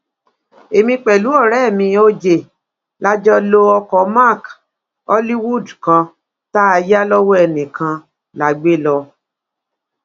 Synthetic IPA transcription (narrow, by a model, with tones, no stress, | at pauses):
e˨mĩ˧k͡pɛ˨lu˨˦ɔ˦˨ɾɛ˦˨mĩ˧o˧d͡ʒe˨ | la˦d͡ʒɔ˧lo˧ɔ˧kɔ˧˦ma˦˨k | ɔ˦li˦wu˦˨dkã˧ | ta˦a˧ja˦lɔ˦wɔ˦ɛ˧nĩ˨kʰã˧ | la˨ɡ͡be˦lɔ˧